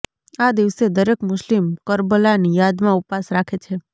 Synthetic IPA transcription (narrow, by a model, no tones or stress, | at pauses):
ad̪iʋsed̪əɾekmʊʃlimkəɾbəlanijad̪mãupasɾakʰet͡ʃʰe